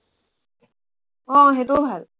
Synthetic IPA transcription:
ɔ̃ɦet̪obʱal

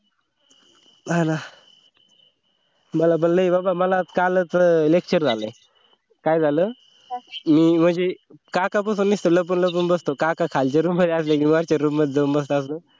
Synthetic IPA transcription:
ana | məlap̬ənnajbabaməlakalət͡səlek̚t͡ɕəɾd͡zaləj | kajd͡zʱaləː | miːm̤əɳd͡ze | kakapəsuːnːist̪oləp̬ənləp̬ənbəst̪okakakʰalt͡ɕaɾumːəd̪ʱeaslekimaɾt͡ɕaɾumːəd̪ʱed̪embəst̪oas̬lə

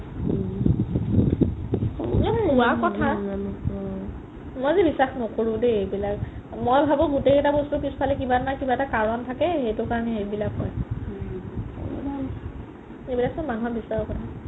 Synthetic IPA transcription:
ɛuakɔtʰa | mɔjzibisaxnɔkoɹʊ̃deebilak | mojbʱabʊ̃ɡuteɛtabostupispʰalɛkibanajkibaɛtakaɹɔntʰakɛxejtʊkaɹɔnɛebilakːɔj | ebilak̚sɔmanuɦabisaɹɔkɔtʰa

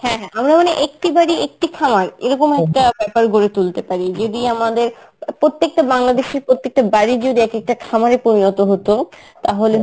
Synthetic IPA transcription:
hɛ̃ɦɛ̃amɾamoneʔek̚ʈibaɾiek̚ʈikʰamaɾeɾɔkomɛkʈabɛpaɾɡoɾet̪ult̪epaɾid͡ʑod̪iamad̪eɾ | pɾot̪ːek̚ʈabaŋlad̪eʃeɾpɾot̪ːek̚ʈabaɾid͡ʑod̪iɛkek̚ʈakʰamaɾepomiot̪oɦot̪o | t̪aɦole

